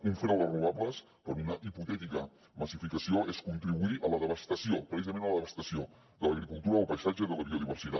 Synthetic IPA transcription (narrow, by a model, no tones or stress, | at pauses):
uɱfɾɛwðəruβ̞aβləs | pəɾunəʔiput̪ɛt̪ikə | məsifikəsioʔeskunt̪ɾiβuiʔələðəβəst̪əsiopɾəsizəmẽnələðəβəst̪əsio | d̪ələɣɾikulˠt̪uɾəːlpəjsad͡ʒəðələβioðiβəɾsit̪a̰